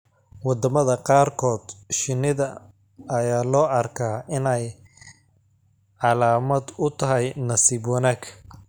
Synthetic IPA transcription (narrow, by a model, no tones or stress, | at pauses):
wɑd̪ɐmɐðɐqɑːrkʰɔːd̪̥ʃɪnɪðɐ | ɐjaːlɔːʔɐrkʰaːɪnɛj | ʕɑlaːmɐd̪ʊt̪ʰɐɦɛjnɐsibɔnɐkʰ